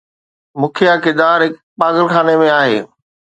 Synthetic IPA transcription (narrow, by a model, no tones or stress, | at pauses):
mʊkʰijakɪd̪aːɾɦɪkpaːɡəlxaːnemẽaːɦḛː